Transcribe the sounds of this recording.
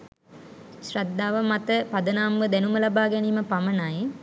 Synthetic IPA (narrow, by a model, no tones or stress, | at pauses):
ʃrad̪ːaːʋəmat̪əpad̪ənaːmʋəd̪ænuməlabaːɡɛniːməpamənaj